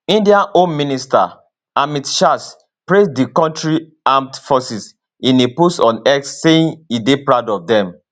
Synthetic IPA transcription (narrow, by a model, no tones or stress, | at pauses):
ĩndiãnonmĩnista̰ | amitʃas | pɹesdikɔ̃ntɹi | amtfɔsis | ĩnepusɔ̃nɛksːeĩnidepɹaʊdɔfdɛ̃m